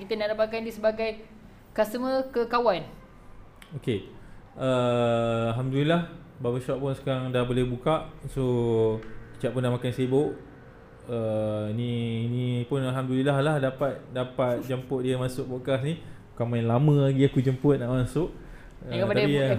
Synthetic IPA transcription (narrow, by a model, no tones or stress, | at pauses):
kit̪ənaʔdapakandisəbaɡaj | kasəməkəkawan | oke | ə | alɦamdulilah | babəʃaʔpʊnsə̥kaɾaŋdahbolehbukaʔso | it͡ʃaʔpunːaʔmakanseboʔ | əininĩpʊnalɦamdulilahlahdapat̪̚dapat̪̚d͡ʒəmpʊʔ̪̚diəmãsʊk̚boʔkasni | ukamajnlamə̃laɡiakud͡ʒəmpʊt̪̚naʔmãsʊʔ | əkəpaai